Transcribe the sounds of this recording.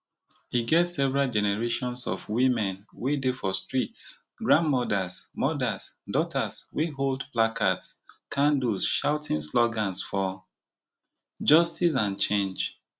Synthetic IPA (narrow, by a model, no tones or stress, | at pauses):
iɡɛtsɛvɛɹald͡ʒɛnɛɹeʃɔ̃nsɔ̰fwĩmɛ̃nwedefɔstɹits | ɡɹãndmɔdasmɔdasdɔtʰaswiɦoldplakʰatskʰãndusʃaʊtʰĩnslɔɡãnsfɔ | d͡ʒʌstis̬ãnt͡ʃẽnd͡ʒ